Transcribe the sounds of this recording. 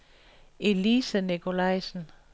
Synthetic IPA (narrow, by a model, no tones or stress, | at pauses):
elisænikʰo̝lɑɪsn̩